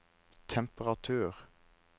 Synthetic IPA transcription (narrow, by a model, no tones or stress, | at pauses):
t̪ʰɛmpəʁɑt̪ʰʉːʁ